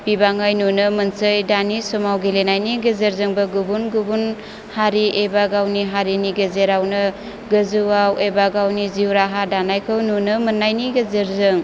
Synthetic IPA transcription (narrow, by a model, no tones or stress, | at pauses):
pibaŋajnunɯmɐnsɯjdanisɔmawɡilenajniɡɐzɐɾzɯŋbɐɡubunɡubun | haɾiʔebaɡawniɦaɾiniɡezeɾawnɯ | ɡɯzuwawebaɡawniziwɾaɦadanajkʰɯwnunɯmɐnːajniɡɐzɐɾzɯŋ